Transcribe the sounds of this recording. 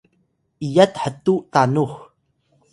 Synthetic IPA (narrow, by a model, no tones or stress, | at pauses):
ʔijat̪ħətuʔtanux